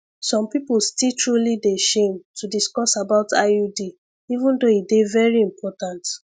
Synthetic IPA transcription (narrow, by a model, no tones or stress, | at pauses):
sɔ̃mpipulstiltɹulideʃemtʰudiskɔsabaʊtʰa̰udi | ivũndoidevɛɹiĩmpʰɔtãnt